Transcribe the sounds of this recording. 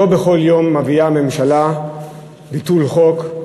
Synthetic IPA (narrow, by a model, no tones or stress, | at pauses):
o̞beχo̞ljo̞mːaviame̞mʃala | bitulχo̞k